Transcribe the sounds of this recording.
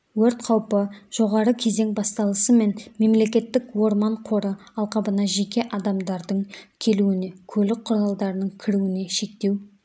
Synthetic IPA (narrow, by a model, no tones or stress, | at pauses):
wɵɾt̪qʰɑwpəʒ̥o̞ʁɑɾəkʲʰe̞ze̞ŋbɑst̪ɑlˠəsəme̞nme̞mle̞kʲe̞t̪ːɪkwo̞ɾmɑɴqʰo̞ɾəɑlˠqɑbənɑʒe̞kʲe̞ʔɑd̪ɑmd̪ɑɾd̪əɴkʲʰe̞luɪne̞kʲʰɵlɪk̚qʰːʊɾɑlˠd̪ɑɾənəɴkʲʰɪɾuɪne̞ʃe̞k̚t̪e̞w